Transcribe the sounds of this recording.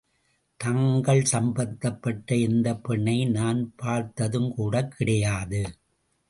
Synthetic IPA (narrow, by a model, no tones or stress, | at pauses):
t̪ɐŋɡɐɭsɐmbɐt̪ːɐpːɐʈːɐɪnd̪ɐpːɛɳːɐɪnaːnpaːɾt̪ːɐðɯmkuːɽɐkʰːɪɽɐjaːðɯ